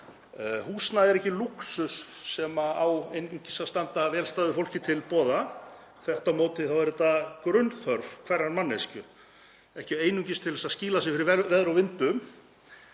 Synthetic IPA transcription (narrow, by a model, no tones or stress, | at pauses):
huːsnaðɛɾɛhcɪluksʏssɛmaawejnuɲcɪsaðst̪ant̪avɛːlst̪aːðɪfowl̥cɪt̪ʰɪlpɔːða | θɛht̪amoːwt̪ɪθawvɛɾʏt̪akɾʏnθœɾvkʰvɛɾanmanːescʏ | ɛhcɪeːjnuɲcɪst̪ʰɪlvɛsasciːlasɪfɪɾɪɾvɛvɛðɾawvɪnt̪ʏm